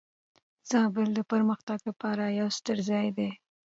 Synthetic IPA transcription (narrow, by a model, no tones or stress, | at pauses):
z̥ɑbɪld̪əpəɾməxt̪aɡlapɑɾajawst̪əɾzɑjd̪e